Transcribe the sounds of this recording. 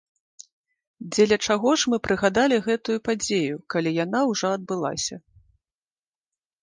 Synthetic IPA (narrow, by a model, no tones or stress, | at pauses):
d͡zʲɛlʲɐt͡ʂaɣɔʂmɨpɾɨɣad̪alʲiɣɛt̪ujupad͡zʲejukalʲijanawʐɔɐd̪̚bɨlˠa̰sʲɐ